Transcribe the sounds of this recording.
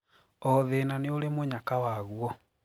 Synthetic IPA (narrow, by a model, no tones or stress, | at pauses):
ɔðenaneoɾemoɲakawaɣuɔ